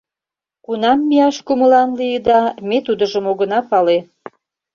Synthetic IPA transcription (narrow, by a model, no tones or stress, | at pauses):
kunɑmːiɑʃkumə̆lɑnlijəd̪ɑmet̪ud̪əʒəmoɣə̆nɑpɑle